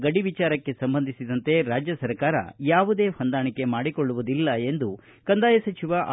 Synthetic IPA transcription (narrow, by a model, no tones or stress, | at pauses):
ɡɐɽiʋit͡ʃaːɾɐkːe̞sɐmbɐnd̪ʱisid̪ɐnt̪e̞ɾaːd͡ʒjɐsɐɾkaːɾɐ̰jaːʋud̪e̞ːhɐnd̪aːɳikːe̞maːɽikoɭːuʋud̪ilːɐe̞nd̪u | kɐnd̪aːjɐsɐt͡ʃiʋaʔ